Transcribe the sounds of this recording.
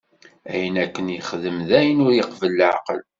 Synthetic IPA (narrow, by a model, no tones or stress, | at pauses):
æjənækːənjəχðəmðæjənʊɾjəqvəlːʕ̰qə̰l